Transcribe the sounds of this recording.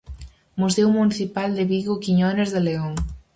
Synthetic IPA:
musewmuniθipald̪eβiɣokiɲonezðeleoŋ

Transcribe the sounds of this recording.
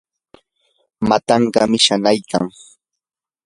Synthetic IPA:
mat̪ɑɴɢɑmɪʃanajkʰa̰ŋ

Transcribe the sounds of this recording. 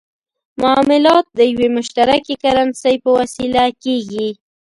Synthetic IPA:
mʊɑmɪlɑt̪̚d̪əjwemʊʃt̪aɾakekaɾansəjpəwasilakeɣi

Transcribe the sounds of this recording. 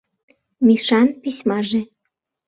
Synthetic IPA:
mʲiʃɑnpisʲmɑʒe

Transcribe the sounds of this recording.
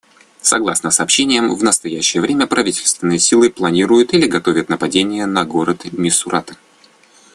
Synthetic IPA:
sɐɡlˠasnəsɐːpɕːenʲɪjəmvnəst̪ɐjæɕːɪjəvɾʲemʲəpɾɐvʲitʲɪlʲst̪vʲɪnːɨjəsʲilˠɨplˠɐnʲiɾʊjʊt̪ilʲɪɡɐt̪o̞vʲət̪nəpɐdʲenʲɪjənɐɡo̞ɾət̪mʲɪsʊɾʔat̪ə

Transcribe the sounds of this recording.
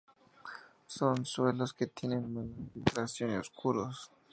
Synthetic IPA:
sonswelosket̪je̞nenmanfit̪ɾasjoneoskuɾos

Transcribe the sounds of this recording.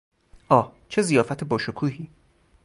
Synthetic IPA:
ʔɒːt͡ʃʰe̞zijɒːfæt̪ʰebɒːʃokʰuːhiː

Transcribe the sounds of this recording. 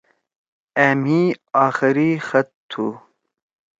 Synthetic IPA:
æmiːaːxɪɾixɐt̪ʰːu

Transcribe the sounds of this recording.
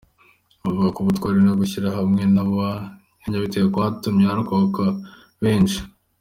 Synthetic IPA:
mavuɡakuβutwaːɾeenoɡuçiɾaɦamŋe̞naβa | eɲaβiteɡakwaːtumɲehaɾukoka | βe̞ːnt͡ʃi̥

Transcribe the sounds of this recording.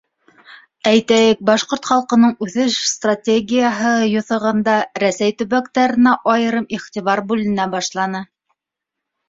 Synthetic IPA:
æjt̪æjɘk̚bɑʃqoɾt̪χɑlˠqɤ̆nɤɴʉθɘʃst̪ratʲeɡʲijəɦɤjŏθɤ̆ʁɤ̆nd̪ɑɾæsæjt̪ɵ̆βækt̪æɾɘ̆næʔɑjɤ̆ɾɤmiχt̪ʲiβɑɾbʉlɘ̆næbɑʃlˠɑnɤ

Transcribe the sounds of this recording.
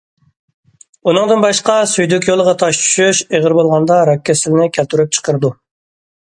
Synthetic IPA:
unɨŋd̪ɨnbɑʃqɑsyjd̪ykʲjolˠəʁɑt̪ʰɑʃt͡ʃʰy̥ʃyʃeʁəɾbolˠʁɑnd̪ɑɾɛkʲʰːɛsɪlɪnɪkʲʰælt̪yɾyp̚t͡ʃʰə̥qəɾɨd̪u

